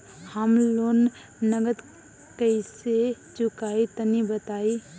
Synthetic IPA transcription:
həmloːn | nəɡəd̪ | kəɪse | t͡ʃʊkait̪ənibət̪aːi

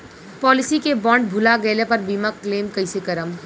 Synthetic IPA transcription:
pɔːlɪsikebɔːɳɖ̚bʱʊlaɡəɪlepəɾbimakleːmkəɪsekəɾəm

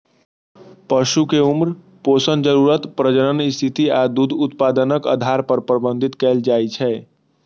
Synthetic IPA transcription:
pəʃukeumɾ | poːsənd͡ʒəɾuɾət̪pɾəd͡ʒəɾənist̪ʰit̪iad̪ud̪ʱʊt̪paːd̪ənəkə̰d̪ʱaɾpəɾpɾəbə̃nd̪ʱit̪kɛːld͡ʒaːit͡ʃʰɛː

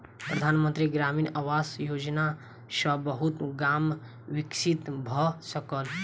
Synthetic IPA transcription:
pɾəd̪ʱaːnmə̃nt̪ɾiɡɾamiːnawasjoːd͡ʒna | sə̃bəɦut̪ɡam | wɪksʰit̪bʱɔsəkəl

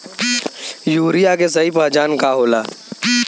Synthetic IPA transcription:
juːɾijakes̬ɐɦipaːd͡ʒaːnkaɦoːlaː

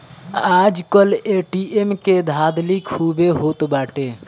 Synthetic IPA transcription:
ad͡ʒkəleʈiemked̪ʱad̪likʰhubeɦot̪baʈe

